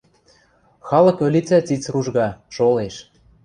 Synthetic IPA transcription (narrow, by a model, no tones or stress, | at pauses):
xɑlɤ̆kø̆lʲit͡sæt͡sit͡sruʒɣɑʃoleʃ